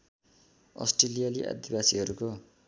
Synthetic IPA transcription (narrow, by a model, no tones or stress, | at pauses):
ʌ̰sʈrelijaliʔa̰d̪ibasiɦʌɾuko